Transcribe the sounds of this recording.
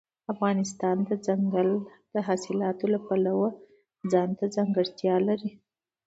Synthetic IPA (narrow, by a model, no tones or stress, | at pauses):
afɣɑnɪst̪ɑnd̪əd͡zaŋɡəld̪̥əɦɑsɪlɑt̪olapalawa | d͡zɑnt̪ad͡zɑŋɡəɽt̪jɑlaɾi